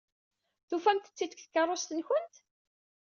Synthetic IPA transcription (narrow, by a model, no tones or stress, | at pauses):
θufæmt̪ət͡sːid̪kθə̥kːərˤːost̪ənçənt̪